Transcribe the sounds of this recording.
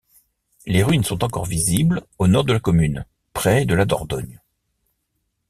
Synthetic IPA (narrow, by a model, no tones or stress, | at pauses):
leʁinəsɔ̃t̪ɑ̃kɔʁviziblonɔʁd̪əlakɔmyn | pχɛd̪əlad̪ɔ̰ʁd̪ɔɲ